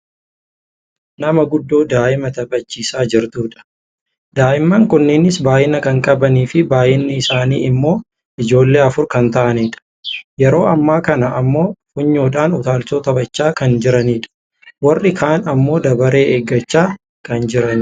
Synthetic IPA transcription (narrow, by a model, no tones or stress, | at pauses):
nɐmɐɡʊd̪ːoːd̪aːʔɪmɐt̪ɐbɐt͡ʃːiːsaːd͡ʒɪɾt̪uːᶑɐ̥ | d̪aːʔɪmːaːŋkʊnːeːnɪsbaːʔɪnːɐkɐŋkʼɐbɐniːfɪbaːʔɪnːɪɪsaːnḭːɪmːo̞ː | ʔɪd͡ʒo̞ːlːe̞ːɐfʊɾkɐnt̪ɐʔɐniːᶑɐ̥ | jɛɾo̞ːɐmːaːkɐnɐːmːo̞ːfʊɲːoːᶑaːnʊt̪aːlsoːt̪ɐbɐt͡ʃːaːkɐnd͡ʒɪɾɐniːᶑɐ̥ | wɐrːɪkʰaːnɐmːo̞ːd̪ɐbɐɾe̞ːʔeːɡːɐt͡ʃːaː | kɐnd͡ʒɪɾɐn